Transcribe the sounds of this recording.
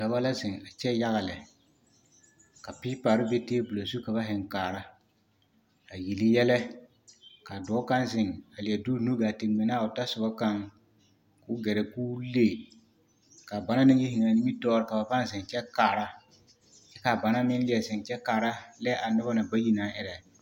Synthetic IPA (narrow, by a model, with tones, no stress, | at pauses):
ɡ̥a˨ba˦la˦zɪ˨ŋa˨t͡ʃɛ˦ja˦ɣa˨lɪ˨ | ka˨pɪ˦paː˨ɾɪ˦be˦teː˦bʊ˨la˨su˦ka˨ba˦ɦɪ˨ŋkaː˨ɾa˦ | a˨ji˨li˦jɛ˦lɛ˦ | ka˨dɔː˨˦ka˦nzɪ˨ŋa˨lɪ˨ɛ˨du˦nu˦ɡaː˨tɪ˨mɪ˨naː˦˨ʊ˨ta˦sʊ˨ba˦ka˦ŋ | kʊ˦ɡɛ˨ɾɛ˨ku˦le˦˨ | ka˨ba˨˦na˦nɪ˦ŋji˦ɦɪ˨ŋa˨ni˦mi˦tɔː˦ɾɪ˦ka˨ba˨pa˦n˦zɪ˨ŋt͡ʃɛ˦kaː˨ɾa˦ | t͡ʃɛ˦ka˨ba˨na˦mɪ˦n˦lɪ˨ɛ˨zɪ˨ŋt͡ʃɛ˦kaː˨ɾa˦lɛ˦a˨nʊ˦ba˦na˨ba˦ji˦na˨˦ʔɪ˨ɾɛ˨